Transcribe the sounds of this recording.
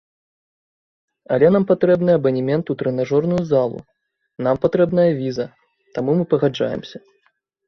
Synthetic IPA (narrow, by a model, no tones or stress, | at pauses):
ɐ̰lʲɛnampat̪ɾɛbnɨɐbɐnʲimʲɛnt̪ut̪ɾɨnaʐɔrnujuzalˠṵ | nampat̪ɾɛbnɐjɐvʲizɐ | t̪amumɨpɐɣad͡ʐa̰jɛ̰msʲɐ